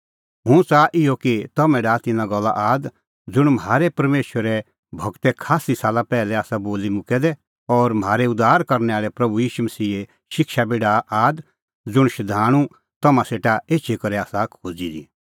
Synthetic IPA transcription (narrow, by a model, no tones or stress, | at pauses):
ɦʊ̃t͡saʔɪjokit̪ɐmɛ̃ɖaːt̪ɪnãɡɔlːa̰ʔaːd̪ | d͡zʊɽ̃mɦaːɾɛpɐɾmeːʃwəɾɛ | bʱɐɡt̪ɛkʰaːsisaːlapɛːlɛaːsaboːlimʊkɛd̪ɛ | ɔːɾmɦaːɾɛʊd̪aːɾkɐɾnɛaːɭɛpɾɐbujiːʃumɐsiːe | ʃɪkʃabeːɽaʔaːd̪ | d͡zʊɽ̃ʃɐd̪ʱaːɽ̃ũ | t̪ɐmãseːʈaeːʃʰekɐɾɛaːsakʰod͡zid̪ḭ